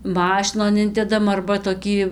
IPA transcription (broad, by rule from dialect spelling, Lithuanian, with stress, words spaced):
ˈmɑːʃʲɪnoːn ˈɪnʲdʲɛdɐm ɐrbɐ toːˈkʲiː